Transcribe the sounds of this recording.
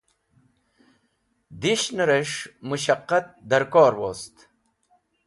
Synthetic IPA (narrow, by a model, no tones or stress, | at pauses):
d̪iɕnɐɾeʂmuɕɐqːɐt̪̚d̪ɐɾkoːɾwoːst̪